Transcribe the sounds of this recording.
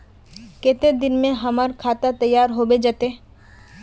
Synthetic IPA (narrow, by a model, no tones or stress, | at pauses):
ket̪ed̪ɪnmẽɦɐməɾkʰaːt̪at̪ɐjːaːɾɦoːbed͡ʒət̪eː